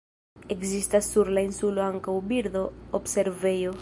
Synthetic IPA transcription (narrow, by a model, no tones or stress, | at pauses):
eksist̪asuɾlainsuloaŋkawbiɾðoobseɾvejo